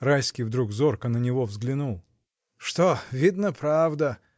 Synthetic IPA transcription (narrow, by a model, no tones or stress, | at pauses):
rajskʲijvd̪ɾuɡzorkənənʲɪvovzɡlʲɪnulˠ | ʂt̪ovʲid̪nəpɾavd̪ə